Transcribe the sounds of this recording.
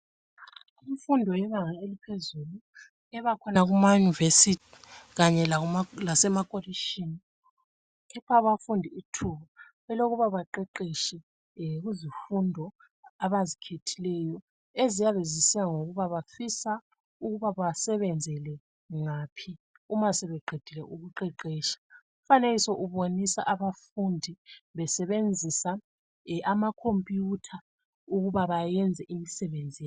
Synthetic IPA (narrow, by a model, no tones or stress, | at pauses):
iɱfundʱɔjɛβaŋaelipʰezulu | ɛβakʰɔnaɣumajunivesitʰi̥ɣaɲɛlalasɛmakʼoliʃini | kʰɛpʰaβafundʱiitʰuβa | βɛloɣuβaβaǃɛǃiʃi | ɣuzifundʱɔ | aβazikʰetʰilɛjɔ | ezijaβezisijaŋoɣuβaβafisa | uɣuβaβasɛβɛnd͡zʱɛlɛ | ŋaːpʰi | umasɛβɛɡ͡ǃʱed̥ʱilɛ̰ʔuɣuǃɛǃeːʃḁ | ufanelisɔʔuβonisaʔaβafundʱiβɛsɛβend͡zʱisa | ʔamakʰompʼjutʰa | uɣuβaβajɛnd͡zʱɛʔimisɛβend͡zʱij